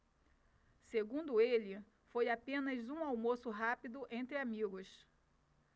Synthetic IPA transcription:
seɡũnd̪ʊelɪ | fojapẽnɐzũawmosʊɦapid̪ʊʔẽnt̪ɾɪamiɡʊs

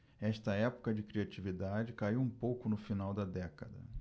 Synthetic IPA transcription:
ɛʃt̪ɐɛpʊ̥kɐd͡ʒɪkɾiat͡ʃivid̪ad͡ʒɪkaiwũpowkʊnʊfinawd̪ɐd̪ɛkɐd̪ɐ̰

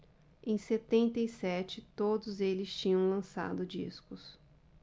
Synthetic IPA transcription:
ẽj̃set̪ẽnt̪ejsɛt͡ʃɪt̪od̪ʊzelɪst͡ʃĩɲɐ̃w̃lɐ̃sa̰d̪ʊd͡ʒḭskʊs

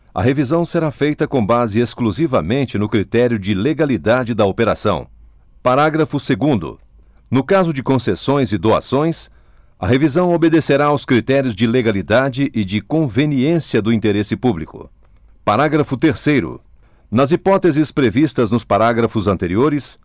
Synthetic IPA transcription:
ɐ̰ɦevizɐ̃w̃seɾafejt̪ɐkõbazɪeskluzivɐmẽnt͡ʃɪnʊkɾit̪ɛɾjʊd͡ʒɪleɡalid̪ad͡ʒɪd̪ɐopeɾa̰sɐ̰̃w̃ | paɾaɡɾɐfʊseɡũnd̪ʊ̰ | nʊkazʊd͡ʒɪkõsesõj̃zɪd̪oa̰sõj̃s | ɐ̰ɦevizɐ̃w̃obed̪eseɾaʊskɾit̪ɛɾiʊzd͡ʒɪleɡalid̪ad͡ʒɪʔɪd͡ʒɪkõveniẽsiɐd̪ʊĩnt̪eɾesɪpublikʊ̰ | paɾaɡɾɐfʊt̪eɾsejɾʊ̰ | nɐzipɔt̪ezɪspɾevist̪ɐznʊspaɾaɡɾɐfʊzɐ̃nt̪eɾioɾɪs

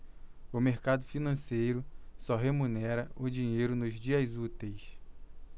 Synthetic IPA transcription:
ʊmeɾkad̪ʊfinɐ̃sejɾʊsɔɦemunɛɾɐʔʊd͡ʒĩɲejɾʊnʊzd͡ʒiɐzut̪ejs

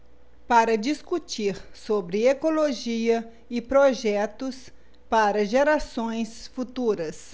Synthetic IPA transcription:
paɾɐd͡ʒiskut͡ʃiɾsobɾɪekoloʒiɐ | ɪpɾoʒɛt̪ʊs | paɾɐʒeɾasõj̃sfut̪uɾɐs

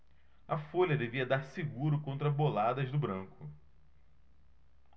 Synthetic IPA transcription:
ɐfolʲɐd̪eviɐd̪aɾsɪɡuɾʊkõnt̪ɾɐbolad̪ɐzd̪ʊbɾɐ̃ŋkʊ

